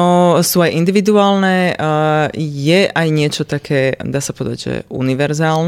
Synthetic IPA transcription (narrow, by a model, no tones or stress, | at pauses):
ɔsuajʔind̪iʋid̪uaːlnɛ | jɛʔajɲɪɛt͡ʃɔt̪akʰɛːd̪aːsapɔd̪a̰ɟʒɛ̰ṵniʋɛɾzaːln